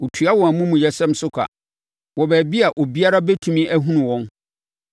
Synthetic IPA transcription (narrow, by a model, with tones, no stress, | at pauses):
ʊ˨tʰɥa˦wɔ̃˨æ˨mũ˦mũ˨jɛ˦sɛ̃˦msʊ˦kʰʷa̰˨ | wɔ˨bæː˨bi˦a˨ʔo˨bi˦a˦ɾa˦be˦tʰũ˨mĩ˦ʔæ˦ɦũ˦nũ˨wɔ̃˦n